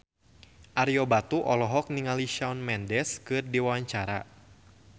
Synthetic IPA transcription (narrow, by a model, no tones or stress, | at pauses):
ʔaɾiɔbat̪uʔɔlɔɦɔk̚niŋaliʃawnmɛndɛskɨrdiwawaɲt͡ʃaɾa̰